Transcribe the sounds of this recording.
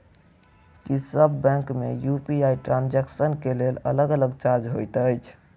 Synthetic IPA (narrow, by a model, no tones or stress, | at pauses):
kisəbːɛ̃ŋkmḛjupiajʈɾãnd͡ʒɛksənkelelə̰ləɡələɡt͡ʃaɾd͡ʒɦojt̪əjt͡ʃʰ